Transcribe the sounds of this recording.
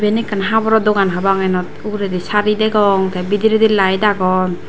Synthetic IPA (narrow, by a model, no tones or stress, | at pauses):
benikanɦabɔɾɔd̪ɔɡanɦabaŋajnɔtuɾed̪isaɾidɛɡɔŋt̪ʰabidiɾed̪ilajdaɡɔ